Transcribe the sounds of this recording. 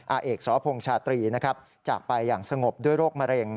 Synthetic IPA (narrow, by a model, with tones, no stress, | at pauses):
ʔaː˧ʔeː˨˩k̚sɔː˩˦pʰo˧ŋt͡ɕʰaː˧t̪ɾiː˧na˦˥kʰa˦˥p̚ | t͡ɕaː˨˩k̚pa˧jːaː˨˩ŋsa˧ŋo˨˩p̚du˥˩əjɾoː˥˩k̚ma˧ɾe˧ŋ